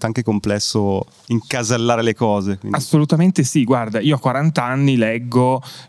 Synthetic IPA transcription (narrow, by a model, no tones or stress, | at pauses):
t̪aŋkekomplɛsːo | iŋkazalːaːɾelekɔːzekwḭasːolut̪ament̪esiɡward̪aiːoakwaɾant̪anːilɛɡːo